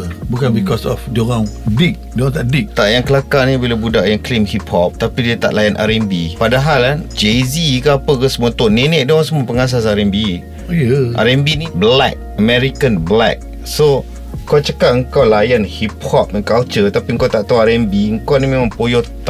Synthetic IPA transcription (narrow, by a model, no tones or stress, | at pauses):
bukanbikɔsɔ̰fdioɾaŋdik̚dioɣaŋt̪aʔdik̚t̪aʔjaŋkəlakanibilabudaʔjaŋklimhiphɔp̚t̪apidiat̪a̰ʔlajanʔa̰ɾɛmbipadaɦaland͡ʒezikaapəkəsəmũat̪ʊnenɛʔdioɣaŋs̬əmuapəŋas̬as̬aɾɛmbi | jəʔa̰ɾɛmbinblɛ̰k̚əmɛɾikanblɛ̰k̚ | so | kawt͡ʃəkaʔəŋkawlajanhip̚hɔp̚ɛnkalt͡ʃət̪apiəŋkawt̪aʔt̪awaɾɛmbiəŋkanimemãŋpojɔt̪